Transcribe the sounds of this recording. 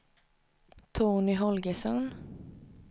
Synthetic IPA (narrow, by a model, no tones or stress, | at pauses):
t̪ʰoːnɪɦɔlɡəsœn